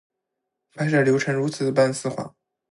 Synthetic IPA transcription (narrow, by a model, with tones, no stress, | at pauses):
pʰa˧˥ʂə˨˩ljo˧˥ʊʈ͡ʂʰɤ˧˥ŋɻu˧˥t͡sʰɹ̩˨˩d̪ə˧pa˥˧nsɹ̩˥˧xwa̰˥˩˦